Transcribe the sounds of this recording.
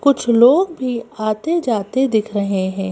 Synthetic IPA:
kʊt͡ʃʰloːɡbʱiaːt̪ed͡ʒaːt̪ed̪ɪkʰɾɐɦeɦɛ̃ː

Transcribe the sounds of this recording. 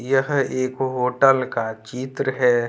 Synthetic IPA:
jəɦeːkɦoːʈəlkat͡ʃiːt̪ɾəɦɛ

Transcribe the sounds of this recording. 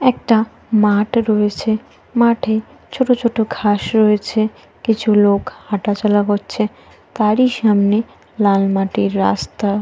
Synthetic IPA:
ɛk̚ʈa | maʈɾɔet͡ɕʰe | maʈʰe | t͡ɕʰoʈot͡ɕʰoʈoɡʱaʃɾɔet͡ɕʰe | kit͡ɕʰulokhaʈat͡ɕɔlaɦotːɕʰe | t̪aɾiʃamne | lalmaʈiɾːa̰st̪a

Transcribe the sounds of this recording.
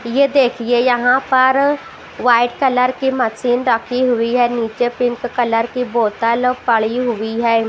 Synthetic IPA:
jed̪eːkʰiejɐɦãpɐɾ | ʋaːɪʈkɐləɾkiməsiːnɾəkʰiɦʊiɦɛːniːt͡ʃepɪ̃ŋkːɐləɾkiboːt̪əlpɐɭiɦʊiɦɛː

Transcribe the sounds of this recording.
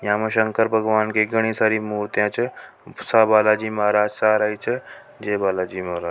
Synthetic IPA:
jãməʃəŋkəɾbʱəɡʋaːnkeɡəɽ̃isaːɾimuːɾt̪jãt͡ʃ | sabaːlad͡ʒiːməɦaɾaːd͡ʒsaːɾaːit͡ʃʰə | d͡ʒebaːlad͡ʒiːmaɦɾaː

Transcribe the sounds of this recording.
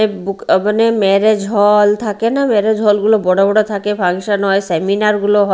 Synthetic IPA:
ebukmanemɛɾed͡ʒʱɦɔlt̪ʰakenameɾed͡ʒʱɦɔlɡulobɔɽabɔɽot̪ʰakebʱaŋʃanɔeseminaɾɡuloɦɔ

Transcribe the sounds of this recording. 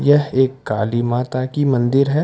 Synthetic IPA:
jɛɦeːkːaːlimaːt̪akimɐ̃nd̪ɪɾɦɛː

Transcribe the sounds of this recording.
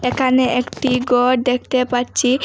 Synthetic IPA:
ekʰaneʔekʈiɡɔɾd̪ek̚ʰt̪epaɾt͡ɕʰi

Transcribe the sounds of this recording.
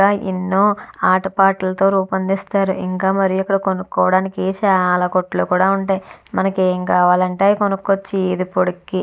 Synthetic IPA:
aːʔḭnːoːaːʈɐpaːʈɐlɐt̪o̞ːɾuːpɐnd̪ist̪aːɾuʔiŋkaːmɐɾijuikːɐɽɐkonukːɔːʋɐɽaːnikit͡ʃaːlaːkoʈːloːkuːɽaːuɳʈaːjmɐnɐkeːŋkaːʋaːlɐɳʈeːkonukːot͡ʃːid̪ipoɽukːi

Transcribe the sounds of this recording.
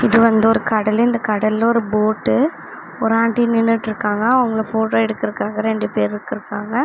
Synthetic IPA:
ɪðɯʋɐnd̪ɯɔɾɯkɐɽɐlɪnd̪ɐkɐɽɐlɔɾɯboːʈːɯ | ɔɾaːɳʈinɪnːɯʈːɪɾɯkːaːŋɡɐːʋɐŋɡɐɭɐfoːʈoːɛɽɯkːɪɾɯkːaːɡɐɾɛɳɖɯpeːɾɪɾɯkːɪɾɯkːaːŋɡɐ

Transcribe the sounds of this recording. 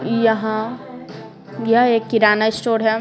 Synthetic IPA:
jɐɦã | jɐeːkːɪɾaːnaɪsʈoːɾɦɛ

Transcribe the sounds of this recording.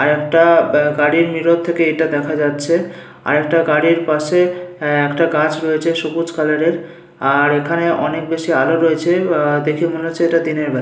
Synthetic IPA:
aɾɛkʈaɡaɽiɾmiɾot̪ʰːekeeʈad̪ɛkʰad͡ʑatːɕʰe | a̰ɾɛk̚ʈaɡaɽiɾpaʃeɛkʈaɡat͡ɕɾoet͡ɕʰeʃokut͡ɕkʰalaɾeɾ | aɾekʰaneʔɔnek̚beʃialoɾoet͡ɕʰed̪ekʰimoneot͡ɕʰeeʈad̪ineɾbʱa

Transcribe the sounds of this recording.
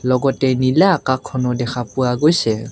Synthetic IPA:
lɔɡɔtɛnilaːkakʰːɔnɔdɛxʰapuwaɡojsɛ

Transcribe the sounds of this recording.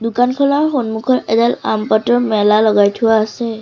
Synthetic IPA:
dukankʰɔlaɹxonmukʰɔɹʔɛdɛlampatɔɹmɛlalɔɡajtʰuwaːsɛ

